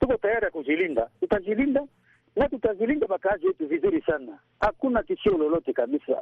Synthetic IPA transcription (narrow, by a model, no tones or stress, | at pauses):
tukotajaɾiakuzilinda̰tutazilinda | natutazilindabakazietuvizilisana | akunakisolɔlɔtekabisa̰